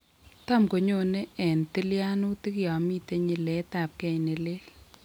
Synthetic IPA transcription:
ta˦mko˨ɲo˦˨ne˦ɛ˨nti˦lja˦nʊ˦tɪ˦kja˨mi˦te˦ɲɪ˨lɛ˨˦ta˨p̚kɛ˦˨ne˨lɪ˦l

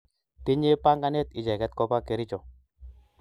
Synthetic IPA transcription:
t̪ɪ˦ɲe˦pa˦ŋɡa˦nɛ˦t̪ɪ˨d͡ʒɛ˨kɛ˦t̪̚kɔ˦pa˦ke˨ɾi˦t͡ʃɔ˨

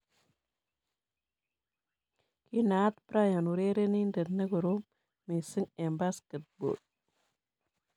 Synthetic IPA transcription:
ki˦na˦t̪pɾa˦ja˨nu˨ɾe˦ɾe˦ni˦nde˨nə˦ɡo˨ɾo˦ | me˨sɨ˦ŋe˨mba˦skə˨t̪̚bo̰˨d

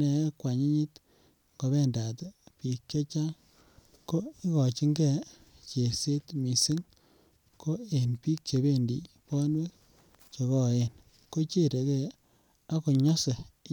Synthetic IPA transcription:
nɛ˨˦kwa˨ɲi˦ɲi˦t | ŋɡo˨βɛ˦nda˨tpi˨kt͡ʃe˦t͡ʃa˦ŋ | ko˦i˦kɔ˨t͡ʃi˦ŋɡɛ˦ | t͡ʃe˨se˦tmi˨si˦ŋ | ko˦e˨npi˦k̚t͡ʃe˨βe˦ndḭ˨ | pɔ˦nwe˦ | t͡ʃe˨kɔ˦˨je˦n | ko˦t͡ʃe˦ɾe˨ke˨ | a˦ko˨ɲɔ˦se˨

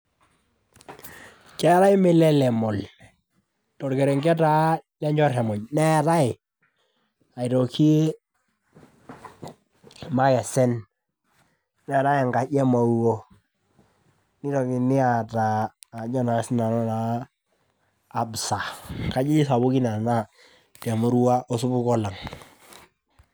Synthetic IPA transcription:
kɛ˦ɾa˦ɪ˦mɛ˦lɛ˦lɛ˨mɔ˨l | tɔ˨ɾkɛ˨ɾɛ˨ŋɡɛ˦ta˦lɛ˦ɲd͡ʒɔ˦ɾɛ˨mɔ˨ɲnɛ˦ɾa˦ɪ˨ | a˨i˨ɾɔ˨kʰi˦ | ma˦ɣɛ˨sɛ˦n | nɛ˨ɾa˦jŋɡa˨ɟɛ˦ma˨u˦ɣo˦ | ni˦ɾɔ˨ki˨ni˦a˨taː˨ɲɔ˦na˨˦si˦na˨nɔ˦na˨ | bsa˨ka˨d͡ʒi˦i˦sa˨bu˦ki˦na˨na˦ | tɛ˨mu˦ɾu˦wa˦o˦su˦bu˦kɔ˦la˨ŋ

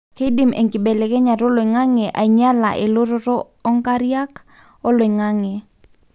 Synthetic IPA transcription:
ke˦di˨mḛ˨ŋkɪ˨bɛ˨le˨kɛ˦ɲa˨ɾo˦lo˨ŋa˦ŋɛ˨ʔa̰˨ɲa˦la̰˨ʔe˨lo˦ɾo˦ɾoː˦ | ŋka˦ɾja˦k | o˦lo˨ŋa˦ŋɛ˨

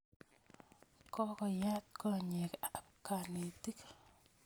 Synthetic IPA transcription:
kɔ˦kɔ˨ja˦t̚kɔɲɛkːp̚kaniti˦k

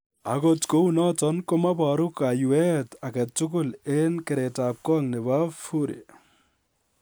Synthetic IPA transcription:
a˨ko˨tko˦u˦nɔ˦tɔ˦nko˦ma˦bɔ˨ɾu˦ka˨ju˨ɛ˦ta˨kɛ˨tʊ˦k̬ʊ˦le˦nke˨ɾe˨ta˨p̚kɔ˦ŋne˨βa˦fu˦ɾḛ˨

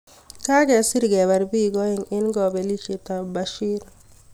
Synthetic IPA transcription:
ka˦kɛ˨si˦ɾɡɛ˨ba˨ɾbi˦ɡɔ˦ɪ˨ŋɪ˦nɡɔ˨bɛ˨li˦t͡ʃe˨t̪a˨ba˨ʃi˦ɾ

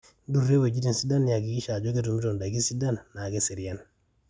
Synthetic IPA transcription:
du˦re˦we˨d͡ʒi˦ti˨n˨si˦da˦n˦ja˨ɡi˨ɡi˦ʃa˨d͡ʒo˦ɡe˦tu˨m˦ɾo˨nda˨ɡi˦si˦da˦nːa˨ɡe˦si˨ɾi˨ja˦n

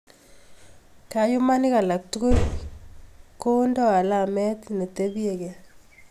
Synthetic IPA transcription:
ka˨ju˦ma˦ni˦ka˨la˨k̚tu˦ku˦l | ko˦ndɔ˦a˨la˦˨mɛ˦tne˨te˦bi˦je˨kɛ˨

